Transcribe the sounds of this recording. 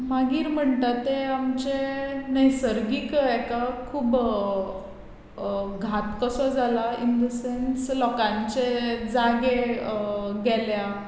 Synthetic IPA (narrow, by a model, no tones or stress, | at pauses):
maɡiːɾm̤əɳt̪at̪eamt͡ɕenəjsəɾɡikɛkakʰuːb | ɡʱat̪kəsɔd͡zʱalaind̪əsenslɔkãɲt͡ɕed͡zaɡe | ɡɛlja